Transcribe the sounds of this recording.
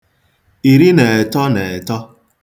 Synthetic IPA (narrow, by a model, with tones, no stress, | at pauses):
i˨ɾi˦ne˨tɔ˦ne˨tɔ˦